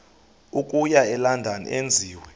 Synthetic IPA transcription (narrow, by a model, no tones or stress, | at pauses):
ukʼujaɛlandʱanḭʔend͡zʱiːwɛ